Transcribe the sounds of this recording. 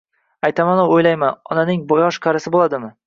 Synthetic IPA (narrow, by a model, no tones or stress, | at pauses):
ajt̪ʰamanoojlajmanɒ̰nanɪŋbɒjɒʃqʰɑɾɪsɪbolˠad̪ɪmɪ